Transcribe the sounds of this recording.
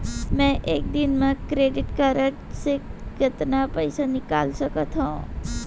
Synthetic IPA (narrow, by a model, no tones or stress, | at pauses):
mɛ̃ʔeːk̚d̪ɪnmẽkɾeːɖɪʈkəɾəʈsekɪt̪napəɪsanɪka̰ːlsəkət̪ɦõ